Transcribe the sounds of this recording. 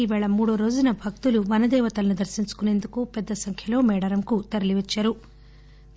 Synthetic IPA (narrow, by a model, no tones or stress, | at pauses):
iʋɛɭɐmuːɽoːɾo̞ːd͡ʒunɐbʱɐk̚t̪uluʋɐnɐd̪ɛːʋɐt̪ɐlɐnud̪ɐɾsiɲt͡ʃu̥kune̞ːnd̪ukupɛd̪ːɐsɐŋkʰjɐlo̞ːmɛːɽɐɾɐmkut̪ɐɾɐliʋɐt͡ʃːaːɾu